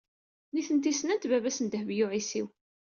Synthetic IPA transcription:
niθənt̪isnænt̪vævæsənd̪əhvjuʕisḭw

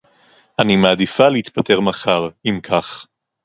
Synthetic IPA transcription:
ʔanimaːd̪ifaleit̪pateʁmaχaʁʔimkʰaχ

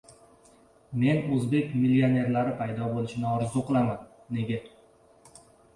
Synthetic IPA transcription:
me̞nɵzbe̞kʲmilːione̞ɾlaɾɪpʰajd̪ɒbolˠɪʃɪnɪɒɾzʊqɨlˠamanːe̞ɡʲa

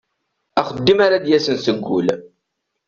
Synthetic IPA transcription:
æχəd̪ːimaɾad̪jæsənsəɡʷːʊ̰l

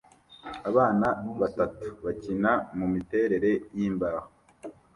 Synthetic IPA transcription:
aβaːnanuβatatu̥βacinamumite̞ɾe̞ɾe̞jiːmbaɾa

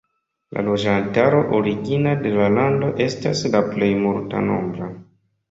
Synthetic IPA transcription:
lʔa̰lo̞d͡ʒantaɾo̞ʔoɾiɡinade̞lalando̞ʔe̞staslaple̞jmulta̰no̞̰mbɾa

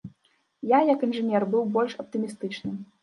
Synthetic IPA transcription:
jajɐkinʐɨnʲɛrbɨwbɔlʲʂɐp̚t̪ɨmʲist̪ɨt͡ʂnɨm

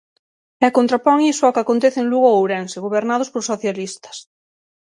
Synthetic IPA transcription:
ɛkõnt̪ɾapɔŋiswakakont̪eθeŋluɣowɾɛnseɣoβeɾnað̞ʊspoɾsoθjalist̪ɐ̥s

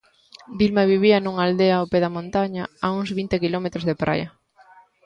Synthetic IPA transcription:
d̪ilmaβ̞iβiɐnuŋald̪eaopeðamõnt̪aɲaauŋzβint̪ekilɔmet̪ɾozðepɾʔa̰jɐ

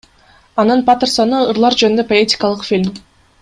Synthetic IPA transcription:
ɑnɯnpat̪ersonəɯɾlˠɑɾd͡ʒønnd̪øpoetʲɪ̥kalˠɯqfʲilʲm

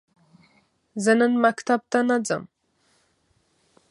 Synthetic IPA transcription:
zɨnənmɐkt̪ab̚t̪anad͡za̰m

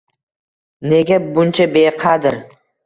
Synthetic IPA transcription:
ne̞ɡʲabʊnt͡ʃʰabeqʰɑd̪ɪɾ

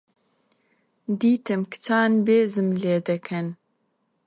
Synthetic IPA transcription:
d̪iːt̪ɨmkʰɨ̥t͡ʃʰaːnbeːzɨmleːd̪ɛkʰɛn

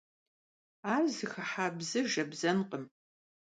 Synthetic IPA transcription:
aːrzɨxɐħaːbzɨʒɐbzɐnqʼəm

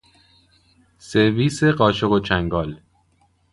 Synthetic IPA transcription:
se̞ɾviːseɢɒːʃoɣot͡ʃʰæŋɡɒːl

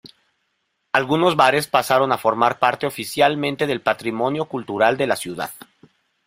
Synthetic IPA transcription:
alɣuno̞zβaɾe̞spasaɾo̞nafo̞ɾmaɾpaɾt̪e̞ofisjalmẽ̞nt̪e̞ðe̞lpat̪ɾimo̞njo̞kult̪uɾald̪e̞lasjuða̰ð

